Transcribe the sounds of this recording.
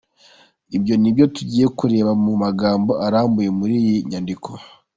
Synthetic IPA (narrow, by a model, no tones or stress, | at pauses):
ibjo̞nibjo̞tuɟiːje̞kuɾe̞ːβamumaɡaːmbo̞ʔaɾaːmbuje̞muɾiːjiɲandikʰo